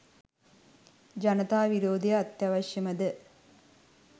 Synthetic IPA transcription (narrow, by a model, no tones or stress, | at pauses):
d͡ʒɐnɐt̪aːʋiɾoːd̪ejɐːt̪jaʋɐɕjɐmɐd̪ə